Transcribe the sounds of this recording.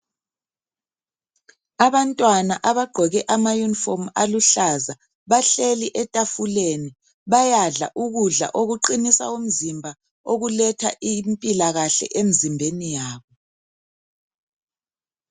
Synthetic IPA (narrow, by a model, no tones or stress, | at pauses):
aβantʼwanaʔaβaɡ͡ǃʱɔɣɛʔamajunifomaluɬaza | βaɬeliʔɛtʼafuleni | βajaɮa̰ʔuɣuɮa̰ʔoɣuǃinisa̰um̩zimbʱa | oɣulɛtʰa̰ʔimpʼilaɣaɬɛ̰ʔem̩zimbʱenijaːβɔ